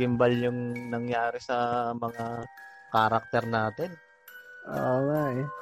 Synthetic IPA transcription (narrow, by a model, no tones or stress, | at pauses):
ɪmbɐljʊŋnɐŋjaːɾɛsɐmɐŋa | kaɾɐk̚t̪ɛɾnaːt̪ɛn | ʔoŋaj